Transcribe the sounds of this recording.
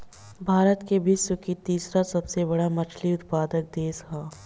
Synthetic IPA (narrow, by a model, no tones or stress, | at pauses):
bʱaːɾət̪kebʱɪswəkit̪iːsɾasɐbsebɐɽamɐt͡ʃʰliʊt̪paːd̪ək̚d̪eːsɦaː